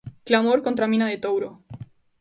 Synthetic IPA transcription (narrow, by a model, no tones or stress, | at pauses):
klamoɾkont̪ɾamĩnaðet̪owɾo